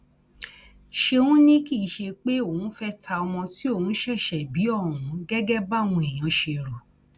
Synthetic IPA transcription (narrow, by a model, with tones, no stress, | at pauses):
ʃe˧wũ˦nĩ˦ki˦˨ʃe˧k͡pe˦õ˦˨ũ˨˦fɛ˦ta˧ɔ˧mɔ̃˧ti˦o˦˨ũ˨˦ʃɛ˦˨ʃɛ˨bi˨˦ɔ̃˦˨ũ˨˦ɡɛ˦ɡɛ˦ba˦˨w̃ũ˧e˨j̃ã˨˧ʃe˧˨ɾo˨